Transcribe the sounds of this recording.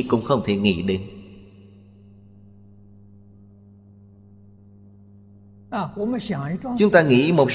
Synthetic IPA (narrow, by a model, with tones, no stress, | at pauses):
kʊ̰˧˥ŋ͡mxə˧wŋ͡mt̪ʰe˧˩ŋḭ˧˥ɗe˧˩ŋ | a˧˩kwɔ˧˥mə˧˩ɕjɑ˨˩ŋi˧˥˩ʈ͡ʂwŋt͡ɕʊ˨˦ŋ͡mt̪aː˧ŋḭ˧˥mo˨˩t̚